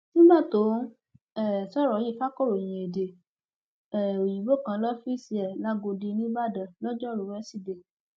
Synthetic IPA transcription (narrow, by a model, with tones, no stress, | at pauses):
nĩ˦ba˦˨to˨˦ | ɛ˦˨sɔ˦˨ɾɔ˨˦ji˦˨fa˦kɔ˦˨ɾo˨j̃ĩ˨e˨de˨ | ɛ˨o˨ji˨bo˦˨kã˧˦lɔ˦fi˦si˧ɛ˨la˦ɡo˧di˧nĩ˦ba˦˨dã˨lɔ˦d͡ʒɔ˦˨ɾu˨˦wɛ˦si˦˨de˨